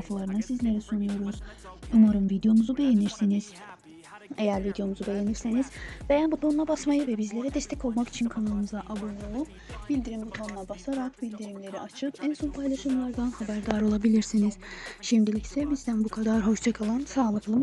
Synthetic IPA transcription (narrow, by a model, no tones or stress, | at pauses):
falˠaɾɯnasizlʲe̞ɾɛsunujo̞ɾuz̥umaɾɯmvid̪ejo̞muzube̞jeniɾsiniz̥ | e̞jæɾvid̪jo̞muzube̞je̞niɾse̞niz̥bejabut̪ʰonlˠabasmajɯvɛbizlʲe̞ɾɛd̪ɛst̪ʰɛko̞lˠmaki̥t͡ʃʰinkʰanalˠɯmɯzaʔabonolˠup̚ | b̥ilʲd̪iɾimbut̪ʰonlˠabasaɾakbilʲd̪iɾimlʲe̞ɾiat͡ʃʰɯkænsonpʰajlˠaʃɯmlˠaɾd̪anhabæɾd̪aɾo̞lˠabilʲiɾsiniz̥ʃimd̪ilʲicsɛbizd̪ænbukʰad̪aɾɦo̞ʃd͡ʒakʰalˠansaːlˠɯklˠɯm